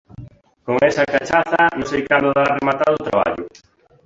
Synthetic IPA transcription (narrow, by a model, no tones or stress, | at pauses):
koŋɛsɐkat͡ʃaθɐnʊ̃sejkand̪ʊðaremat̪aðʊt̪ɾaβa̰ʎʊ